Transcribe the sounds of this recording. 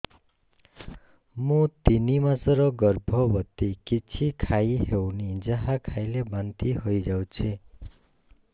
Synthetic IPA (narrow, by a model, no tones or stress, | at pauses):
mut̪inimasʌɾʌɡʌrbʱʌbʌt̪ikit͡sʰikʰajɦewnid͡zaɦakʰajlebant̪iɦʌjd͡zawt͡sʰi